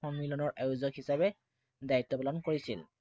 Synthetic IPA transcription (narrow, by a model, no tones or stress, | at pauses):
ɔnmilɔnɔɹʔajuzɔkhisabɛ | dajit̪ːɔpalɔnkoɹisil